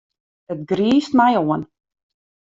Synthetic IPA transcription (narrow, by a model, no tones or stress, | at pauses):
ət̪̚ɡɾiːstmajoːən